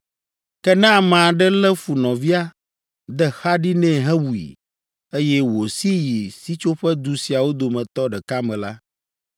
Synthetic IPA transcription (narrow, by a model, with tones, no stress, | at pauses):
kɛ˦nɛ̃˦a˨mã˨ɖɛ˦lɛ˦fu˨nɔ̃˨vi˦a˦ | d̪ɛ˦xa˦ɖi˦nɛ̃˦˨ɦɛ̃˦wu˨ḭ˨ | e˦jɛ˦wo˨si˦ji˨si˦t͡ʃo˦ɸɛ˦d̪u˨si˨a˨wo˦d̪o˨mɛ̃˨t̪ɔ˦ɖɛ˨ka˦mɛ̃˨la̰˦